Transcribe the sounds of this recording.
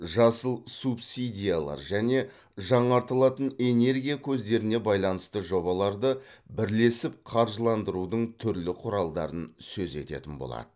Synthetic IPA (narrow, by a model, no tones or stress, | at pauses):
ʒɑsəlˠsupsid̪ʲijalˠɑ̰ɾʒæne̞ | ʒɑɴɑɾt̪əlˠɑt̪əne̞ne̞ɾɡʲijakʲʰɵzd̪e̞ɾɪne̞bɑjlˠɑnəst̪əʒo̞bɑlˠɑɾd̪əbɪɾle̞sɪp̚qʰɑɾʒəlˠɑnd̪əɾud̪əɴt̪ʰʏɾlɪqʰʊɾɑlˠd̪ɑɾənsɵze̞̰t̪e̞̰t̪ɪnbo̰lˠɑ̰d̪̥ə